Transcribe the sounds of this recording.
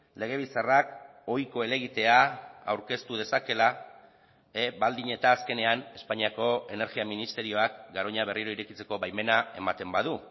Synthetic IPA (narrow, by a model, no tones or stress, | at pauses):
le̞ɣ̞e̞β̞isarak | o̞jko̞e̞le̞ɣ̞it̪e̞aa̰wɾke̞st̪uð̞e̞sake̞la | ebald̪iɲe̞t̪aːske̞ne̞ane̞spaɲiako̞e̞ne̞ɾɣiaminist̪e̞ɾio̞akɡaɾo̞ɲaβ̞e̞riɾo̞iɾe̞kit͡se̞ko̞βajme̞nae̞mat̪e̞mbað̞u